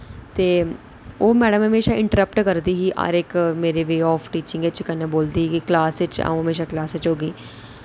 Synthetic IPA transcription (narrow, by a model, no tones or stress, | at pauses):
t̪eː | oːmɛːɖəmɦəmeːʃaːɪ̃ɳʈəɾəpʈkəɾd̪iːɦiːʔa̰ːɾɪkmeːɾeʋeːɔːpʰʈiːt͡ʃɪ̃ŋɡet͡ʃkəneboːld̪iːɦiːkiklaːsɪt͡ʃa̰ũɦəmeːʃ̬aːklaːsɪt͡ʃɦoːɡiː